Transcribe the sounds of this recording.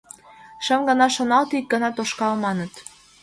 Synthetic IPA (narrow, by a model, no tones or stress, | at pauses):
ʃə̆mɡənɑʃonɑlt̪ik̚ɡənɑt̪oʃkɑlmɑnə̆t̪